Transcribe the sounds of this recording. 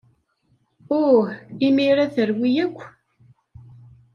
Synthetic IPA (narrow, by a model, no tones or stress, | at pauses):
ʊɾimiɾaθəɾwijækʷː